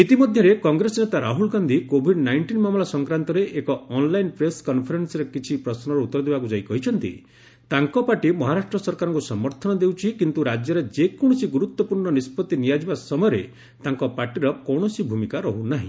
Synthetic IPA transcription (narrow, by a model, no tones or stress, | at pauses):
it̪imɔd̪ʱjɔɾekɔŋɡɾesɔnet̪aɾaɦulɡand̪ʱikobʱiɖnajɳʈinmamulasɔŋkɾant̪ɔɾeʔekɔɔnlajnpɾeskɔnpʰɔɾensɔɾekit͡ʃʰipɾɔsnɔɾɔut̪ːɔɾɔd̪ibakud͡ʒajkɔɦit͡ʃʰɔnt̪ḭ | t̪aŋkɔpaʈimɔɦaɾaʃʈɾɔsɔɾkaɾɔŋkusɔmɔɾt̪ʰɔnɔd̪ewt͡ʃʰikint̪uɾad͡ʒjɔɾed͡ʒekɔɽ̃ɔsiɡuɾut̪wɔpuɾɳɔnispɔt̪inijad͡ʒibasɔmɔjɔɾe | t̪aŋkɔpaʈiɾɔkɔwɳ̃ɔsibʱumikaɾɔɦunaɦḭ̃